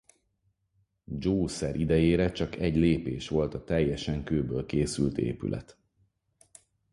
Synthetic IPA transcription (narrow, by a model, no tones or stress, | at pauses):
d͡ʒoːsɛɾʔid̪ɛjeːɾɛt͡ʃɒkɛɟleːpeːʃʋo̞lt̪ɒt̪ɛjːɛʃɛŋkøːbøːlkeːsylt̪ḛːpy̰lʔɛ̰t̪